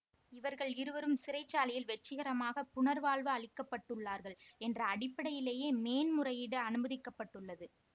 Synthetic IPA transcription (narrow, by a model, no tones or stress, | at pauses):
ɪʋɐɾɣɐɭɪɾɯʋɐɾɯmsɪɾɐɪt͡ʃːaːlɪjɪlʋɛt͡ʃːɪɣɐɾɐmaːɣɐpʊnɐɾʋaːɭʋɯɐɭɪkːɐpːɐʈːɯɭːaːɾɣɐɭɛndrɐːɽɪpːɐɽɐjɪleːjeːmeːnmʊrɐjɪɽɯɐnɯmɐðɪkːɐpːɐʈːɯɭːɐðɯ